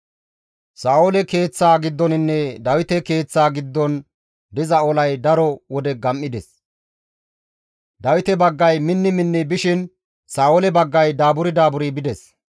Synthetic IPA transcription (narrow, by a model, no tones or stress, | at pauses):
saːwolɛke̞ːt͡sːaːɡɪd̪ːɔnɪnːɛd̪ɐwɪt̪ɛke̞ːt͡sːaːɡɪd̪ːɔn | d̪ɪzɐɔlɐjd̪ɐɾɔwɔd̪ɛɡɐmːɪd̪ɛs | d̪ɐwɪt̪ɛbɐɡːɐjmɪnːɪmɪnːɪbɪʃɪn | saːwolɛbɐɡːɐjd̪aːbʊɾɪd̪aːbʊɾibɪd̪ɛs